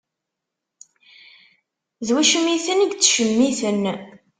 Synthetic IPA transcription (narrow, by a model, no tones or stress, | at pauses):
zwæʃəmiθənəɡt͡sːʃəmːiθən